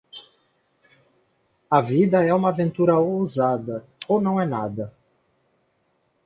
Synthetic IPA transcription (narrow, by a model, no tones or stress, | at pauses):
ɐvid̪ɐɛumɐːvẽnt̪uɾɐowuzad̪ɐonɐ̃w̃ɛna̰d̪ɐ